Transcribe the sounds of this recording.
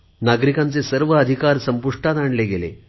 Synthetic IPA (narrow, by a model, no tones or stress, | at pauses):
naɡɾikãnt͡sesəɾʋəːd̪ʱikaɾsəmpuʂʈat̪aɳleɡelḛ